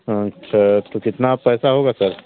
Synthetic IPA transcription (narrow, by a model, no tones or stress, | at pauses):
ɐtːʃʰat̪okɪt̪napɛːsaɦoːɡasɐɾ